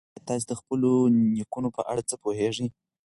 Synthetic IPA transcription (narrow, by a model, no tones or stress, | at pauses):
t̪ɑs̬ed̪əxpəlonikunopəʔa̰ɽat͡səpoheʐəj